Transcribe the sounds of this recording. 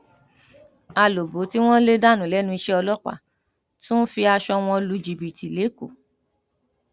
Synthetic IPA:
a˧lo˨bo˨˦ti˦w̃ɔ̃˦le˦da˦˨nũ˨˦˨lɛ˨˦nũ˧i˧ʃɛ˦ɔ˧lɔ˦k͡pa̰˦˨ | tũ˦fi˧a˧ʃɔ˧w̃ɔ̃˧lu˧d͡ʒi˨bi˨ti˨le˨˦kṵ˨

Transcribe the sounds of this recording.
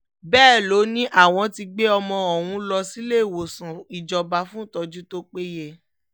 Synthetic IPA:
bɛː˦˨lo˨˦nĩ˦ʔa˦˨w̃ɔ̃˧ti˧ɡ͡be˦ɔ˧mɔ̃˧ɔ˨wũ˧˦lɔ˧si˦le˦˨wo˨sũ˨i˨d͡ʒɔ˨ba˧˦fũ˦˨tɔ˧d͡ʒu˦to˦k͡pe˦je˦˨

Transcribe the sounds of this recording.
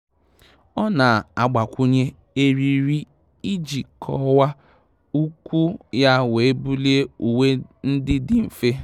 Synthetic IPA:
ɔ˦na˨a˨ɡ͡ba˨kʷu˦ɲe˦ | e˦ɾi˨ɾi˦ | i˦d͡ʒi˨kʰɔ̰˦wa˦ | u˦kʷu˦ja˦we˨e˦bu˦li˦e˦u˨we˦n̩˦dɪ˦dɪ˨m̩˨fe˦

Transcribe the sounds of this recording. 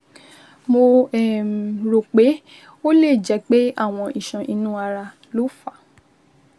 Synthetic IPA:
mo˧ɛ˨ɾo˨k͡pe˨˦ | o˦le˦˨d͡ʒɛ˨˦k͡pe˦a̰˦˨w̃ɔ̃˧ʔi˨ʃã˨ʔi˧nũ˦a˧ɾa˧ | lo˨˦fa˦˨

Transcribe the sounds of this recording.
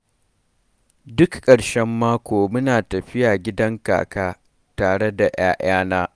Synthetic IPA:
dʊ˦kkʼːɐ˨ɽʃɛ˦mːaː˦kʷoː˨mʊ˦naː˨tɐ˨ɸɪ˦jaː˨ɡʲɪ˦dɐ˦ŋka̰ː˨kaː˦ | taː˨ɽe˦da˨j̰aː˦ʔaː˦naː˦

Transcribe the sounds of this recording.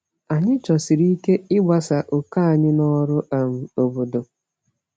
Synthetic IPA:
a˨ɲɪ˦t͡ʃɔ˨si˨ɾi˦ke˦ɪ˦ɡ͡ba˨sa˨ʔo˨ka˦˨ɲɪ˦nɔ˦ɾʊ˦a˨m̩˨o˨bo˨do˨

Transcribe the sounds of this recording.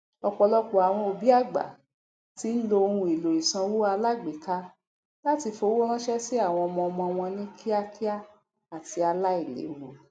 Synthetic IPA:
ɔ˧k͡pɔ˧lɔ˦k͡po˨a˨w̃ɔ̃˧o˧bi˦a˦˨ɡ͡ba̰˨ | ti˦n̩˦lo˧o˧hũ˧i˨lo˨i˨sã˧wo˦a˧la˦ɡ͡be˨ka˧˦ | la˦ti˧fo˧˦wo˦ɾ̃ã˦ʃɛ˦si˦a˦˨w̃ɔ̃˧ɔ˧mɔ̃˧ɔ˧mɔ̃˧ɔ˧w̃ɔ̃˧nĩ˦kʰi˦a˦ki˦a˦ | a˨ti˧a˧la˦i˦˨lḛ˨˦wo˨

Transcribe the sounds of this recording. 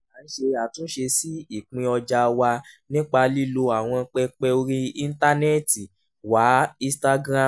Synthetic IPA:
a˨˦n̩˦ʃe˧a˨tũ˨˦ʃe˧si˦i˦˨k͡pĩ˧ɔ˧d͡ʒa˧wa˧nĩ˦k͡pa˧li˦lo˧a˨w̃ɔ̃˧k͡pɛ˧k͡pɛ˧o˧ɾĩ˧˦i˧n̩˦ta˦nɛ˦ti˨ | wa˨˦ĩ˧sta˧ɡɾã˦˨

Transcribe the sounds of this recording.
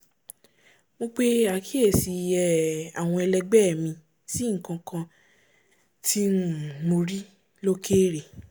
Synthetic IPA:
mo˧k͡pe˦a˨kʰi˦e˦˨si˧ɛ˧˨a̰˨w̃ɔ̃˧ɛ˧lɛ˧ɡ͡bɛ˦˨mĩ˧ | si˨˦ŋ̩˨kã˧kã˧ | tʰi˦mo˧ɾi˦ | lo˦kʰeː˦ɾe˨

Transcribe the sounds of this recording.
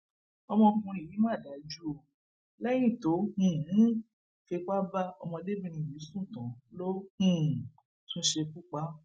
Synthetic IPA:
ɔ˧mɔ̃˧kũ˧i˨jĩ˨˦ma˦˨da˨˦d͡ʒu˦o˧˨ | lɛ˦j̃ĩ˦˨to˨˦hĩ˨˦ | fe˧k͡pa˦ba˦ɔ˧mɔ̃˧de˦bĩ˧ɾ̃ĩ˧˨jĩ˨˦sũ˦˨tã˨˦lo˦hĩ˦˨ | tũ˦ʃe˧ku˦k͡pa˦

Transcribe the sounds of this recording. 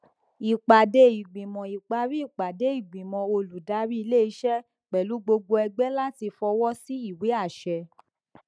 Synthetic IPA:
i˨k͡pa˨de˧i˨ɡ͡bĩ˨mɔ̃˨i˨k͡pa˧˦ɾi˦i˦˨k͡pa˨de˨˦i˨ɡ͡bĩ˨mɔ̃˨o˧lu˨da˨˦ɾi˦i˧le˦˨i˦ʃɛ˦ | k͡pɛ˨lu˨˦ɡ͡bo˧ɡ͡bo˧ɛ˧ɡ͡bɛ˦la˦ti˧fɔ˧wɔ˦si˦i˦˨we˨˦a˦˨ʃɛ˧

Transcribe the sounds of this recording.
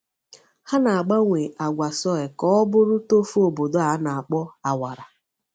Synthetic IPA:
ha˦na˨a˨ɡ͡ba˦ŋʷe˨ʔa˨ɡʷa˨sɔ˦e˨kɔ˨˦ɔ˦bʊ˦ɾʊ˦to˦fu˦o˨bo˨do˦a˨˦na˨a˨k͡pɔ˦a˨wa˨ɾa˨

